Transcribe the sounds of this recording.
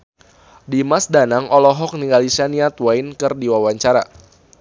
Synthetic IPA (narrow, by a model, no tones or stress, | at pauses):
dimasdanaŋʔɔlɔɦɔk̚niŋɡalisaniat̪wajnkɨrdiwawaɲt͡ʃaɾa̰